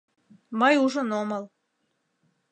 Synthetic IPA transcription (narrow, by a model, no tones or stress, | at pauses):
mɤjuʒŏnoməl